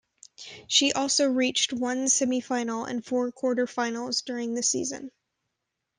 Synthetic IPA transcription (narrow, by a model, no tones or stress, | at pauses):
ʃiʔɔlˠsoʊɹit͡ʃt̚wʌ̃nsɛmifãɪ̃nl̩ˠɨ̰̃nfɔɹkʰw̥ɔɹɾə˞fãɪ̃nl̩ˠzdʊɹɪ̃ŋðɨsḭzɨ̰̃n